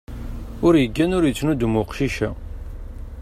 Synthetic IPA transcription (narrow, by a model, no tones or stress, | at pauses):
ʊɾjəɡːænʊɾjit͡sːnud̪umʊqʃiʃæ